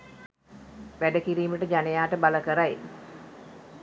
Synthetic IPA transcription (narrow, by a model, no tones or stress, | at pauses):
ʋæɖəkiɾiːməʈəd͡ʒanejaːʈəbaləkəɾaj